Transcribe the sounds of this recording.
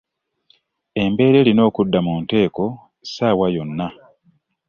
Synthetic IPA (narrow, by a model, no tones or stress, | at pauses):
e̞mbe̞ːɾe̞lino̞ːkudːamuːnte̞ːko̞ | saːwajo̞nːa